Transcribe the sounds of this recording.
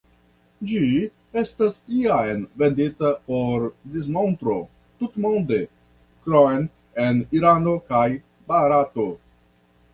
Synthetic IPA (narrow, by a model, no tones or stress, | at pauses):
d͡ʒi | e̞stasiajnve̞nditapo̞ɾdis̬mo̞nt̪ɾo | tutmo̞nde̞ | kɾoen | eniɾano̞kaj | baɾato